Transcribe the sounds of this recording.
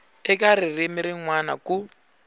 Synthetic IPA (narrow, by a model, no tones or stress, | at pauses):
ɛkaɾirimiɾiŋwana̰ku